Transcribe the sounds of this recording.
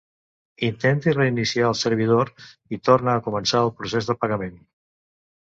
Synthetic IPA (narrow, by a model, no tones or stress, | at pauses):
int̪ɛnt̪ireinisiaəlˠsəɾβ̞ið̞oɾit̪ornəːkumənsaəlˠpɾusezðəpəɣəmen